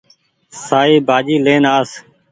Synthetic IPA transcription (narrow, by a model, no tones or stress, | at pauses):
saːiːbʱaːd͡ʒiːleːnaːs